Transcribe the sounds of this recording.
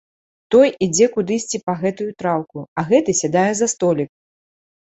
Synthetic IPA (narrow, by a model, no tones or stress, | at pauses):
t̪ɔjid͡zʲɛkud̪ɨsʲt͡sʲipɐɣɛt̪ujut̪ɾawkuɐɣɛt̪ɨsʲad̪ajɛzɐst̪ɔlʲik̚